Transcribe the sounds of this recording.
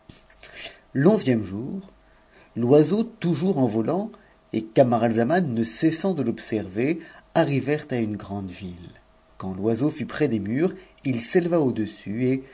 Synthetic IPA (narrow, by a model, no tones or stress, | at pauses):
lɔ̃zjɛmʒuːʁ | lwazot̪uʒuʁɑ̃vɔlɑ̃ | ekamaʁalzamanːəsɛsɑ̃d̪əlɔpsɛʁveaʁivɛʁt̪aynɡʁɑ̃d̪vil | kɑ̃lwazofypχɛd̪emyʁ | ilseləvaod̪əsye